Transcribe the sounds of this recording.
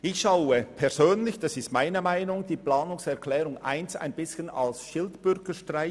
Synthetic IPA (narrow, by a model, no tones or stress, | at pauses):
ɪçʃaʊəpʰɛɐzøːnlɪçd̥ɑsɪstmaɪnəmaɪnʊŋd̥iːplaːnʊŋsɛɐkʰlɛːɾʊŋʔa̰ɪnsa̰ɪnb̥ɪsçənɑ̰lsʃɪltb̥ʏɾɡəʃtʁaɪ